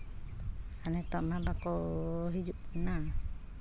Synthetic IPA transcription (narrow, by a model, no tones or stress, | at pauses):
anɛt̪ɔʔmabakɔɦid͡ʒup̚na